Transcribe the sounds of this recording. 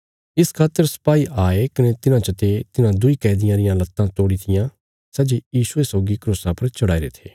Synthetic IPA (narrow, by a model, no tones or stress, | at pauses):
ɪskʰaːt̪ːəɾsɐ̥paːiʔaːekɐnet̪ɪnãːt͡ʃət̪et̪ɪnãːd̪ʊiːkɛːd̪ɪjãːɾɪjãlɐt̪ːãt̪oːɽit̪ʰɪjãː | sɐd͡ʒejiːsʊesɔːɡikɾuːsãːpɐɾt͡ʃɐɽaːiɾḛːt̪ʰeː